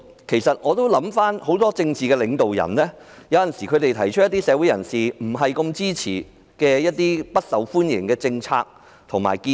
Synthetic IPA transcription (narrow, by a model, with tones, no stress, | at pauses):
kʰe˨˩jsɐ˨t̚ŋɔː˨˧t̪o˥wlɐ˨˥mfaː˥nho˨˥wt̪ɔː˥t͡sɪ˧ŋt͡siː˨kɛː˧lɪ˨˧ŋt̪o˨wjɐ̰˨˩nlɛː˥jɐ˨˧wjɐ˨nsiː˨˩kʰɵ˨˧ɥt̪e˨jt̪ʰɐ˨˩jt͡ʃʰɵ˥t̚jɐ˥t̪iː˥sɛː˨˧wu˨˥jɐ̰˨˩nsiː˨m̩˨˩ɦɐ˨jkɐ˧mt͡siː˥t͡sʰiː˨˩ | kɛː˧jɐ˥t̚t̪iː˥pɐ˥t̚sɐ˨wfuː˥njɪ̰˨˩ŋkɛː˧t͡sɪ˧ŋt͡sʰa̰ː˧k̚ | t̪ʰʊ˨˩ŋma̰ː˨˩jki˧